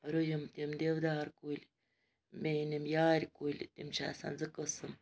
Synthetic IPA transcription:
ɾujumt̪imd̪ʲeʋd̪aːɾkulʲ | menʲimjaːɾʲkulʲt̪imt͡ʃʰa̰ːsa̰nzɨkəsɨm

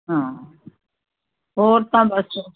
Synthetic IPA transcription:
ɦãː | ɦoːɾt̪ãːbəs

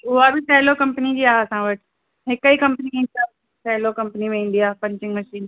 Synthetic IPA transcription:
ʊɦabɪsɛːlokɐ̃mpənid͡ʑiːaɦeɐsãʋɐʈ | ɦɪkəikɐ̃mpniẽːnd̪ia | sɛɦlokɐ̃mpnimẽĩːn̆d̪ijaːepɐ̃ɲt͡ɕɪ̃ŋmɐʃiːn

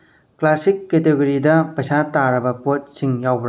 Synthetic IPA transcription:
klasikːeteɡuɾidɐpɐjsataɾɐbɐpot̚siŋjawbɾ

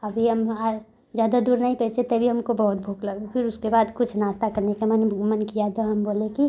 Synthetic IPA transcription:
ɐbʱiɦɐma | d͡ʒjaːd̪ad̪uːɾnaɦĩpɛːt͡ʃet̪ɐbʱiɦɐmkobɐɦʊt̪bʱuːklɐɡpʰɪɾʊskebaːd̪kʊt͡ʃʰnaːst̪akɐɾnekemɛnmənkijat̪oɦɐmboːleki

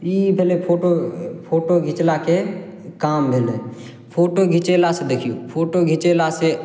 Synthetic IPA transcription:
iːpeːlepʰoːʈopʰoːʈoɡʱɪt͡ʃlaːkekaːmbʱele | pʰoːʈoɡʱɪt͡ʃeːlased̪əkʰijoːpʰoːʈoɡʱɪt͡ʃelaːse

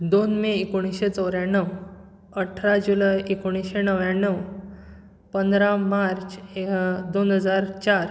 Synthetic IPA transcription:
d̪onmeekoɽ̃iɕet͡səwɾjãɳːəw | əʈʰɾad͡ʑulajekoɽ̃iɕenəʋjãɳːəw | pənd̪ɾamaɾt͡ɕed̪onɦəd͡zaɾt͡ɕaɾ

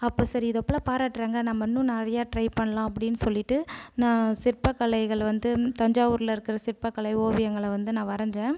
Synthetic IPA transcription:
ɐpːoːsɐɾiɪðɐpːɭaːpaːɾaːʈːɾeːŋɡɐnɐmːɐnːũnɐɪɾɐjaːʈɾɐɪpɐɳːɐlãːɐpːɐɽɪnːɯsɔlːɪʈːɯnãːsɪɾpːɐkːɐɭɐɪɣɐɭʋɐnd̪ɯt̪ɐɲd͡ʒaːʋʊɾlɪɾɯkːɪɾɐsɪɾpːɐkːɐɭɐɪoːʋɪjɐŋɡɐɭʋɐnd̪ɯnãːʋɐɾɐɲd͡ʒẽː

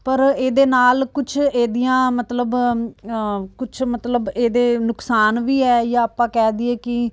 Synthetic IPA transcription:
pəɾeːd̪eːnaːlkʊt͡ʃʰeːd̪ijãːmət̪ləb | kʊt͡ʃʰmət̪ləbeːd̪eːnʊksaːnʋiːɛːjãːapãːkɛːd̪iɛːkɪ

